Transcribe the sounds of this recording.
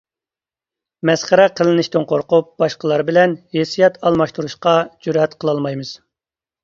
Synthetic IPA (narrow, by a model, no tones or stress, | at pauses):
mɛsχəɾɛqʰəlˠɪnɪʃt̪ɨnqʰoɾqup̚b̥ɑʃqəlˠɑɾbɪlɛnhesijɛt̪ʰɑlˠmɑʃt̪uɾuʃqɑd͡ʒyɾhɛt̪qʰəlˠɑlˠmɑjmɨz̥